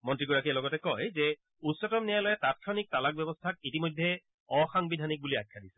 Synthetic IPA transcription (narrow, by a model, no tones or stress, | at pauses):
mɔntɹiɡɔɹakiɛlɔɡɔtɛkɔjzɛ | utsɔtɔmnɛjalɔjɛtat̚kʰɔnik̚talak̚bɛbɔstʰak̚itimɔjdʱːɛ | ɔxaŋbidʱanik̚buliajkʰːadisɛ